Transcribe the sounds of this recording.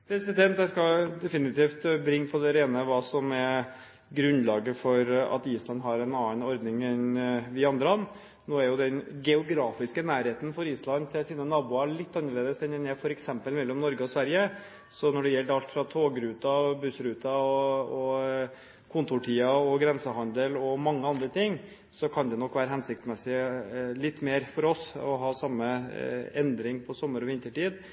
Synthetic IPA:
pʰɾɛsɪd̪ɛnt̪jæskɑd̪ɛfɪnɪt̪ʰiːft̪bɾɪŋːpʰɔd̪ɛɾeːnəʋɑːsɔmɛ | ɡɾʉnlɑːɡəfɔɾɑ̰t̪iːslɑnd̪ɦɑɾɛnɑːənɔɾd̪nɪŋɛnʋɪɑnd̪ɾəɑnː | noːæɾjʊd̪ɛnɡɛʊɡɾɑːfɪskənæːɾheːt̪ən̩fɔɾiːslɑnt̪ʰɪlsiːnənɑːbuːɑɭɪt̪ːɑnːəɭeːd̪əsɛnd̪ɛnæfɔɾɛksɛmpəlmɛlːɔmnɔɾɡəɔsʋæɾjə | sɔnɔɖɛjɛld̪əɑlt̪fɾɑt̪ʰoːɡɾʉːt̪ɑɔbʉsɾʉːt̪ɑɔɔ | kʰʊnt̪ʊʈʰiːɑɔɡɾɛnsəhɑnd̪əlɔmɑŋːəɑnd̪ɾət̪ʰɪŋː | sɔkʰɑnd̪ɛnɔkːʋæːɾəɦɛnsɪk̚t̪smɛsɪlɪt̪ːmeːɾfɔɾɔsɔ̰ɦɑːsɑmːəɛnd̪ɾɪŋpʰɔsɔmːəɾɔʋɪnt̪əʈiːd̪

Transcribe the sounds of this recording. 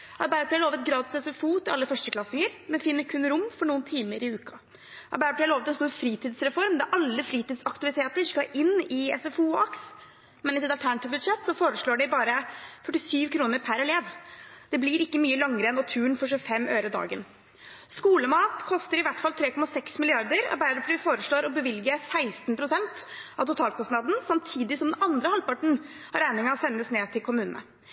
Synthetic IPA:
ʔɑɾbæɾpʰlɛloːʋət̪ɡɾɑːt̪ɪsɛsɛfuːt̪ʰɪlɑlːəfœʂʈəkʰlɑsɪŋəɾmɛnfɪnːəkʰʉnɾʊmːfɔɳuːənt̪ʰiːməɾɪʉːkɑ | ʔɑ̰ɾbæːɾpʰlɛːɑlɭoːʋət̪ɛnst̪uːɾfɾiːt̪ʰiːd̪sɾɛfɔɾmd̪ɑʔɑlːəfɾiːt̪iːd̪sɑkt̪ɪʋɪt̪ʰeːt̪əʂkɑʔɪnːɪɛ̰sɛfuːɑks | mɛnɪsɛt̪ɑlt̪æɳɑt̪ɪʋbʉd̪ʂɛt̪ːsɔfoːɾəʂɭoːɖɛɪbɑːɾəfœʈːɪsyːʋkʰɾuːnəɾpʰæɾɛleːʋd̪̥ɛblɪɾɪkːəmyːəlɑŋːəɾəɛnɔt̪ʰʉːɳfɔʂʉfɛmːʔøːɾəd̪ɑ̰ːɡə̰n | skuːləmɑːt̪kʰɔst̪əɾɪʋæʈfɑlt̪ʰɾeːkɔmɑsɛksmɪlɪɑɾd̪əɾɔ̰bæɪɾɔpʰɾyːfoːɾəʂɭoːɾɔbəʋɪlɡəsæɪst̪npʰɾʊsɛnt̪ʔɑ̰ʋt̪ʊt̪ʰɑːlkʰɔst̪nɑd̪n̩sɑmt̪ʰiːd̪ɪsɔmd̪ɛnɑnd̪ɾəhɑlpɑʈɳ̩ | hɑɾæɪnɪŋɑɔsɛnːəsneːt̪ʰɪlkʰʊmʉːnnə̰

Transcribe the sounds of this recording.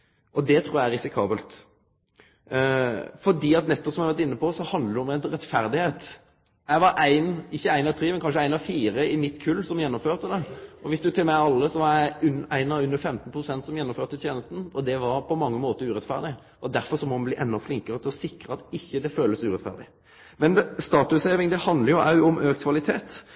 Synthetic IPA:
ʔɔd̪ɛt̪ʰɾuːjææɾɪsɪkʰɑːbəlt̪ | fɔɖiːɑt̪nɛt̪ːɔpsɔmɛæʋæɾt̪ɪnːəpɔsɔhɑnd̪əɾɔmɛnɾɛt̪fæɾd̪ɪheːt̪ | æɪʋɑɾæɪnɪçːəæɪnɑʋt̪ʰɾeːmɛnkʰɑnʂ̬ʃəæɪnɑfiːɾəɪmɪt̪kʰʉlːsɔmjɛnːɔmføːʁt̪əd̪ɛʔɔʋɪsd̪ʉt̪ʰɪlmæɪɑlːəsɔʋɑɾjæɪʉnæɪnɑʉnːəɾfɛmt̪n̩pʰɾʊsɛnt̪sɔmjɛnːɔmføːt̪ət̪ʰjeːnəst̪n̩ɔd̪ɛʋɑɾpʰɔmɑŋːəmoːt̪əɾʉːɾɛt̪fæ̰ʁd̪ɪ | ʔɔd̪æɾfɔɾsɔmɔmɛbliːʔɛnːɔflɪŋkəɾət̪ʰɪlɔsɪkɾəɑt̪ɪçːəd̪ɛføːləsʉːʁɛt̪fæ̰ʁd̪ɪ | mɛnst̪ɑːt̪ʉsheːʋɪŋd̪ɛhɑnd̪ləɾjʊʔɑ̰ʉɔmʔøːkt̪kʰʋɑlɪt̪ʰeːt̪

